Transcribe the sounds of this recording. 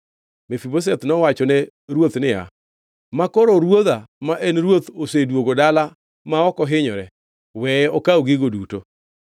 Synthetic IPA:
mefibos̬ɛt̪nɔwat͡ʃɔnɛ | ɾwot̪nɪa̰ | makoɾoɾwoðamaʔenɾwot̪osedwoɡodala | maɔkɔɦɪɲɔɾɛ | wɛɔkaoɡiɡoduto

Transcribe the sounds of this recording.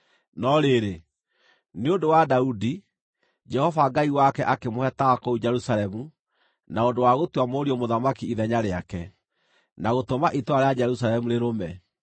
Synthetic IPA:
nɔɾeɾe | neondowadaudi | d͡ʒɛhɔvaɡaiwakɛʔakemohɛtaɣakoud͡ʒɛɾusalɛmu | naondowaɣotwamoɾiɔmoðamakiiðɛɲaɾeakɛ | naɣotomaʔitwaɾead͡ʒɛɾusalɛmuɾeɾomɛ

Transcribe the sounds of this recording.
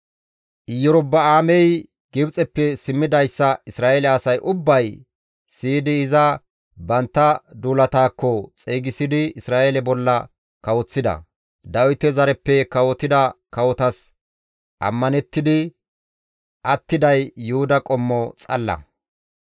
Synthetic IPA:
ʔɪjːɔɾɔbːɐaːmɛj | ɡ̥ɪbt͡sʼɛpːɛsɪmːɪd̪ɐjsːɐɪsɾaːelɛɐsɐjʔʊbːɐj | siːd̪ɪːzɐ | bɐnt̪ːɐd̪uːlɐt̪aːkːɔt͡sʼeːɡɪsɪd̪ɪɪsɾaːʔɛlɛbɔlːɐ | kɐwɔt͡sːɪd̪ɐ̰ | d̪ɐwɪt̪ɛzɐɾɛpːɛkɐwɔt̪ːɪd̪ɐkɐwɔt̪ɐs | ʔɐ̰mːɐnɛt̪ːɪd̪ɪ | ʔɐt̪ːɪd̪ɐjːʊhʊd̪ɐkʼɔmːɔt͡sʼɐ̰lːɐ̰

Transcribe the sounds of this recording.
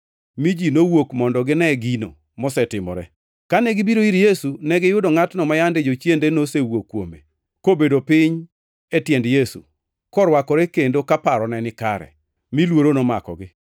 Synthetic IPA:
mid͡ʒinowokmɔndɔɡɪnɛɡino̰ | mɔsɛtɪmɔ̰ɾɛ̰ | kanɛɡɪbiɾoiɾjesunɛɡɪjʊdɔŋatnɔmajanded͡ʒot͡ʃjendenosewokːwomḛ | kobedopɪɲ | etjɛndjesṵ | kɔɾwakɔɾekendokapaɾɔnɛnɪkaɾɛ̰ | milwoɾonoma̰kɔ̰ɡɪ

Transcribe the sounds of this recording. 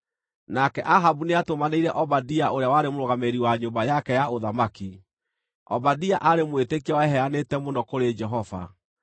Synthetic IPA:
nakɛʔaɦabuneatomaneiɾɛʔɔbadiaʔoɾeawaɾemoɾoɣameɾiwaɲombajakɛjaoðamaki | ɔ̰badiaʔaɾemwetekiɔɛɦɛanetɛmondɔkoɾed͡ʒɛɦɔva̰

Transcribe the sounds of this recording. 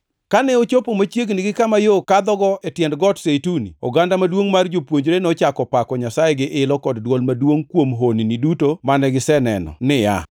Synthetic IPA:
kanɛot͡ʃopomat͡ʃjeɡnɪɡɪkamajokad̪ɔɡɔetjɛndɡɔtsetunḭo̰ɡandamadwoŋmard͡ʒopwoɲd͡ʒɾenɔt͡ʃakɔpakɔɲasajeɡɪʔɪlɔkɔddwɔlmadwoŋkwomɦoninidutomanɛɡɪsɛnɛ̰nɔ̰nɪja̰

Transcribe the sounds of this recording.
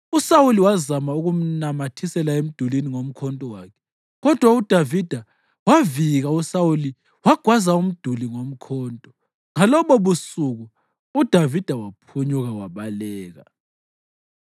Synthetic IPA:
usawuliwazamauɣum̩namatʰisɛlaem̩d̥ʱuliniŋom̩kʰɔntʼɔwakʰɛ̥ | ɣɔd̥ʱwaud̥ʱavid̥ʱa | waviɣausawuli | waɡ̥ʱwazaum̩d̥ʱuliŋom̩kʰɔːntʼɔ | ŋalɔβɔβusuɣu | ud̥ʱavid̥ʱawapʰuɲuɣawaβalɛːɣa̰

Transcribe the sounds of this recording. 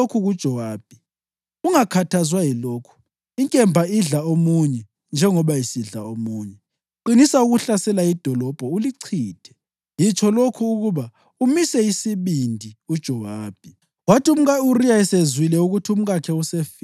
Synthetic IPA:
okʰuɣud̥ʒ̥ʱɔwaːb̥̚ʱi | uŋakʰatʰazwajilokʰu̥ | iŋkʼɛmbʱaiɮaomuɲɛ | nd͡ʒʱɛŋɔβajisiɮa̰omuːɲɛ | ǃinisauɣuɬasɛlaid̥ʱɔlɔb̥ʱɔuliǀʰiːd̥ʱɛ̥ | jit͡ʃʰɔlokʰuːɣuβa | umisɛisiβindʱiud̥ʒ̥ʱɔwaːb̥ʱi | watʰium̩ɣauriaɛsezwilɛuɣutʰium̩ɣakʰɛusef

